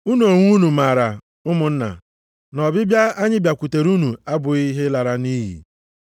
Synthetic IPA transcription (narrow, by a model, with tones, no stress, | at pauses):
u˦nu˦˨o˨ŋʷu˦nu˨ma˨ɾa˨ | ʊ˦mʊ˨n̩˦na̰˨ | nɔ˨bɪ˦bja˦a˦ɲɪ˦bja˨kʷu˨te˨ɾu˦nu˨a˦bʊ˨i˦ɦe˦la˨ɾa˦ni˦ɦḭ˨